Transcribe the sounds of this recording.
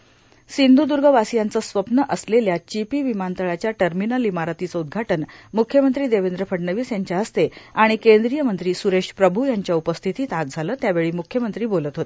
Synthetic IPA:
sind̪ʱud̪uɾɡʱəʋasijant͡səːsʋəpnəʔəsleljat͡ɕipiːʋimant̪əɭat͡ɕjaʈəɾminəlimaɾat̪iːt͡səud̪̚ɡʱaʈənmukʰjəmənt̪ɾiːd̪eʋend̪ɾəpʰəɖnəʋiːsjaɲt͡ɕjaɦəst̪eaɽ̃ikend̪ɾijəmənt̪ɾiːsuɾeɕpɾəbʱujaɲt͡ɕjaupəst̪ʰit̪iːt̪at̪̚d͡zʱaləːt̪jaʋeɭiːmukʰjəmənt̪ɾiːbolət̪ɦot̪e

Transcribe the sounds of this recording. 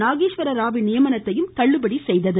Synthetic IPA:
naːɣiːʂʋɐɾɐɾaːʋɪnɪjɐmɐnɐt̪ːɐjɯmt̪ɐɭːɯbɐɽisɛjðɐðɯ

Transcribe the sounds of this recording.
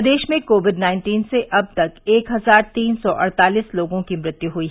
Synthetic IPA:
d̪eːʃmẽkoːʋɪɖnaːɪ̃nʈiːnseʔɐb̚t̪ɐkeːkɦɐzaːɾt̪iːnsɔʔɐɽt̪aːliːsloːɡõkimɾɪt̪juɦuiːɦ

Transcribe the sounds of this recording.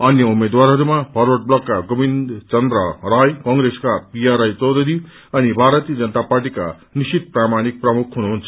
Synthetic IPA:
ʌnjʌumed̪waɾɦʌɾumapʰʌɾwʌʈ̚blʌkːaɡobind̪t͡sʌnd̪ɾʌɾajkʌŋɡɾeskapijaɾajt͡sʌwd̪ʱʌɾi | ʌnibʱaɾʌt̪ijʌd͡zʌnət̪aparʈika̰ | nisit̪̚pramaɽ̃ik̚prʌmukʰɦunuɦunt͡sʰʌ

